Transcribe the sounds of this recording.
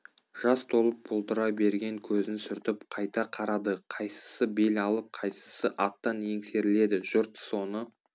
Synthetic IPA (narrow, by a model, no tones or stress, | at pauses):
ʒ̥ɑst̪ʰo̞lˠəp̚bʊlˠt̪əɾɑjbe̞ɾɡʲe̞ŋkʲʰɵzɪnsʏɾt̪ɪpqʰɑjt̪ɑqʰɑɾɑd̪əqʰɑjsə̥səbe̞lɑlˠəp̚qʰɑjsə̥səʔɑt̪ːɑnje̞ŋse̞ɾɪle̞d̪ɪʒʊɾt̪so̞nə